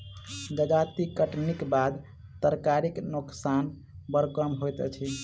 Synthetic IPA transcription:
ɡəd͡ʒat̪ikəʈnikbad̪ | t̪əɾkaɾiknuksan | bəɾkəmɦojt̪t͡ʃʰi

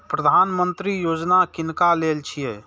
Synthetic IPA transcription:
pɾəd̪ʱanmənt̪ɾijod͡ʒnakinkalelt͡ʃʰijɛ

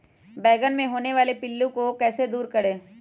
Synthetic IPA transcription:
bɛːɡənmẽɦoːneʋaːlepɪlːũkokɛːsed̪uːɾkɐɽeː

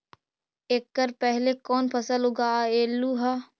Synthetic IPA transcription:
eːkːəɾpɛɦlekɔːnpʰɐsəlɦʊɡaeːlːuɦa

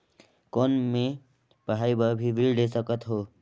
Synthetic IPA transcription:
kɔːnmẽ | pəɦaːibabʱiʋɪlɖesəkət̪ɦoː

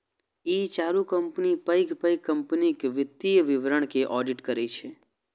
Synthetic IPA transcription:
it͡ʃaɾukəmpnipəjkpəjkːəmpnikʋɪt̪ːijəʋɪʋɾəɳ̃keʔɔɖiʈkəɾet͡ʃʰe

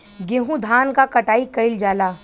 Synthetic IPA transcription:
ɡeːɦũd̪ʱaːnkakɐʈaːikɐɪld͡ʒaːlaː

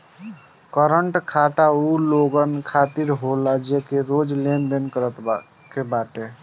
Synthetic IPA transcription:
kəɾəɳʈkʰaʈauloɡənkʰat̪iɾɦolad͡ʒekeɾod͡ʒlend̪enkəɾət̪b | kebaʈe

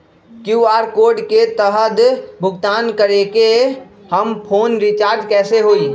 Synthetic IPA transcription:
kjuːaːɾkoːɾɖket̪əɦəd̪bʱʊɡt̪aːnkəɾeke | həmpʰoːnɾɪt͡ʃaːɾd͡ʒkɛːseɦoːiː

